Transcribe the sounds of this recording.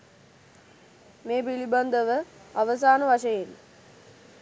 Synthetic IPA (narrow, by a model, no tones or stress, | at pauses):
meːpiliband̪əʋəaʋəs̬aːnəʋaʃəjen